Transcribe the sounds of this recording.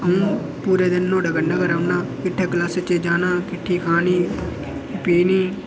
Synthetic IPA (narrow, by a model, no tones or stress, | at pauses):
əũː | puːɾeːd̪enːõːɖəɡənːaːkəɾaːʋnãːkɪʈʰːeːklaːsət͡ʃeːd͡ʒaːnãːkɪʈʰːiːkʰaːniː | piːniː